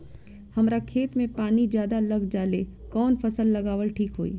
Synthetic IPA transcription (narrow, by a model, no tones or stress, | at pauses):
hɐmɾakʰeːt̪mẽpaːnid͡ʒjaːd̪alɐɡd͡ʒaːlekɔːnpʰɐsəlːɐɡaːʋəlʈʰiːkɦoːḭː